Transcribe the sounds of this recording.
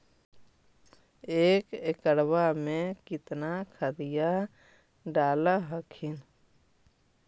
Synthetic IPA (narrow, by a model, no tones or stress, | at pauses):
eːkekəɽwamẽkɪt̪nakʰad̪ija | ɖaːlaɦəkʰin